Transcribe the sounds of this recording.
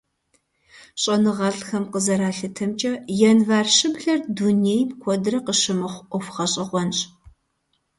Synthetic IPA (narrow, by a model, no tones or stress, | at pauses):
ɕʼɐnɨʁɐɮxɐmqəzɐɾaːɬɨtʰɐmt͡ʃʼɐjɛnvaːrʃɪbɮɐrdunejmkʷʰɔdrɐqəʃɨmɨχʷʔʷɔfχɐɕʼɪʁʷɔnɕʼ